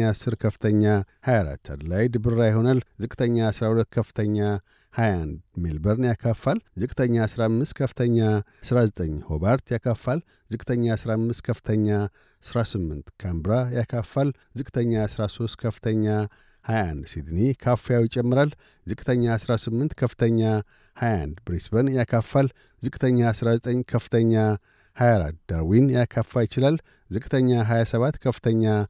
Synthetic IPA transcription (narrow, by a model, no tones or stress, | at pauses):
asɨɾkʰəfɨ̥t̪ʰəɲːahajaɾa̰t̪ʰːa̰d̪lajd̪ɨbɨɾːajɛho̞nalzɨkʼt̪ʰəɲːaːsɾahulət̪ːkʰəfɨ̥t̪ʰəɲːa | hajand̪melbəɾnjakʰafːalzɨkʼt̪ʰəɲːasɾamːɨst̪̚kʰəfɨ̥t̪ʰəɲːasɾazət̪ʼəɲːho̞baɾt̪ʰjakʰafːal | zɨkʼt̪ʰəɲːasɾamːɨst̪̚kʰəfɨ̥t̪ʰəɲːa | sɾasɨmːɨnt̪kʰambɾajakʰafːal | zɨkʼt̪ʰəɲːasɾaso̞st̪kʰəfɨt̪ʰəɲːa | hajand̪sid̪nikʰafejawjɪt͡ʃʼɛmːɨɾal | zɨkʼt̪ʰəɲːasɾasɨmːɨnt̪kʰəfɨt̪ʰəɲːa | haja̰nd̪bɾisbənjakʰafːal | zɨkʼt̪ʰəɲːasɾazət̪ʼəɲːkʰəfːɨ̥t̪ʰəɲːa | hajaɾa̰dd̪aɾwinjakʰːafːajɪt͡ʃɪlal | zɨkʼt̪ʰəɲːaɦajasəβat̪ːkʰəfɨt̪ʰəɲːa